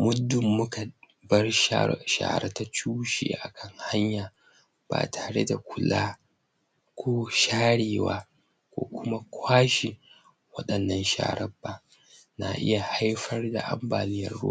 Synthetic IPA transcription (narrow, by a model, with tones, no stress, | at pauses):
mʊ˦dʊ˨mːʊ˦ka˨ | bɐ˦raʃa̰ː˨ɾɐ˦ta˦t͡ʃuː˦ʃḛː˨ʔa˨kʰɐ˦ŋha˦ɲjaː˨ | b̥a̰ː˨tʰaː˨ɽḛ˦da˨kʷʰʊ˦laː˦ | kʷʰoː˦ʃaː˦ɽeː˨waː˦ | kʷo̰ː˦kʷʊ˦ma˦kʷʰaː˦ʃi˨ | wɐ˦ɗɐ˨nːɐ˦nʃa̰ː˨ɾɐ˦bːa˦ | na˨ʔɪ̰˦ja˨ha˦jɸɐ˦rda̰˨ʔa̰˦mbaː˨nɪ˦jɐ˨rːo̰˦